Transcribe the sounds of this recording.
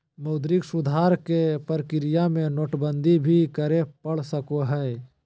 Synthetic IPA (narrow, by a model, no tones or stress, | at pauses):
mɐʊd̪ɾɪksʊd̪ʱaːɾkepəɾkɪɾijamẽnoːʈbə̃nd̪ʱibʱikəɾepɐɽ̤səkoɦɛː